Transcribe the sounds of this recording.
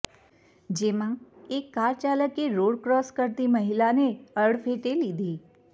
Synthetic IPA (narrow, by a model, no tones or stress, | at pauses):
d͡ʒemãekːaɾt͡ʃaləkeɾoɽkɾɔskəɾt̪iməɦilaneəɽfʰeʈelid̪ʱi